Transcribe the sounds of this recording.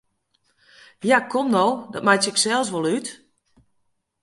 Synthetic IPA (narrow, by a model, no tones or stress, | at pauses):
jakʰɔmnɔwdɔt̚majtəɪksɛlˠsʋolˠyt